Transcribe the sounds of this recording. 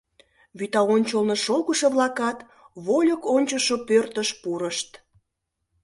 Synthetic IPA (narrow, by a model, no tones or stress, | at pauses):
βyt̪ɑonʲt͡ɕolnoʃolɣəʃoβlɑkɑt̪ | βolʲəkonʲt͡ɕoʃopørt̪əʃpuɾəʃt̪